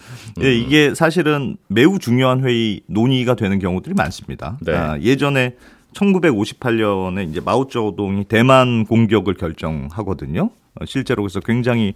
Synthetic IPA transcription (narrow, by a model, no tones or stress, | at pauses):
eiɡe̞sʰaɕ̬ʰiɾɯnme̞ut͡ɕuŋjoɦanɸwe̞inoɲiɡadwe̞nɯnkjʌŋudɯɾima̰ns͈ɯmɲida̰n̰je̞d͡ʑʌne̞ | t͡ɕʰʌnɡube̞ɡoɕʰi̥pʰaʎːʌne̞ind͡ʑe̞maut͡ɕ͈ʌdoŋite̞mankoŋɡjʌɡɯɭkjʌɭt͡ɕ͈ʌŋɦaɡʌdɯɲo̰ | ɕʰiɭt͡ɕ͈e̞ɾoɡesʰʌkwe̞ŋd͡ʑaŋɦi